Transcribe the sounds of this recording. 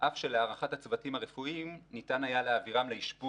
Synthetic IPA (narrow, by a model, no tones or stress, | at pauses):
ʔafʃe̞leaʁaχathat͡svatimaʁefuimnitanajaleaviʁamleiʃbu